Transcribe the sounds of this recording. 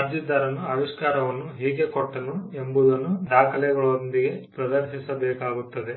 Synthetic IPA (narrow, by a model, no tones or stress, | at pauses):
ɐɾd͡ʒid̪ɐɾɐnːuɐʋiʂkaːɾɐʋɐnːuɦiːɡekoʈːɐnuembud̪ɐnːud̪aːkʰɐlɛɡɐɭond̪iɡe̞pɾɐd̪ɐɾʃisɐbɛːkaːɡut̪ːɐd̪e̞